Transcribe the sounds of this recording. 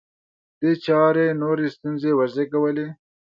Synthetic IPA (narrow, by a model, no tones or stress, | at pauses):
d̪̥et͡ʃɑɾenoɾest̪unzewazekawəle